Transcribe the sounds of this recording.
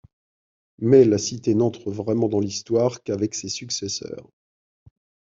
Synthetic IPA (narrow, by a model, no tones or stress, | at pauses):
mɛlasit̪enɑ̃t̪χəvʁɛmɑ̃d̪ɑ̃list̪waːʁkavɛksesyksɛsœ̰ːʁ